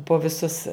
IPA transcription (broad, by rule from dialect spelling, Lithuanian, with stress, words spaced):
poː ʋʲɪˈsʊs